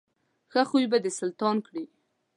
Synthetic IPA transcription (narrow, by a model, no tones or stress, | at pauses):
xaxujbad̪əsalt̪ɑnkɽi